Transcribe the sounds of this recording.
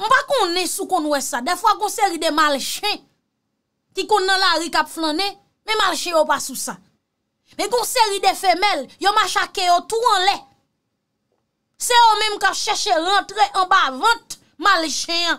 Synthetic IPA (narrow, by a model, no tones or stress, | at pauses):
ñ̩pakõnɛ̃sukɔ̃nwɛsadɛfwaɡɔ̃seʁidemalʃɛ̃ | kikõnːãlaɣikapflãnɛ̃ | mɛ̃malʃɛ̃jopasusa | mɛ̃ɡɔ̃seʁidefɛmɛljomaʃakejotuɐ̃lɛ | sejomɛ̃mkapʃɛʃeɣɐ̃tʁeʔãbavʌ̃t̪̚ | malʃɛ̃ã